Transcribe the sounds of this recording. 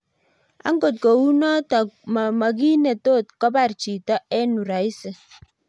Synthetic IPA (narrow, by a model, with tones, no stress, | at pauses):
a̰˦ŋ˦ɡo˨t̚kɔ˨u˦nɔ˦ta˨ma˨k̬i˦ne˨to˦˨t̚kɔ˦ba˨ɾt͡ʃi˨tɔ˦ʔɛ˦nu˨ɾa˨i˦se˨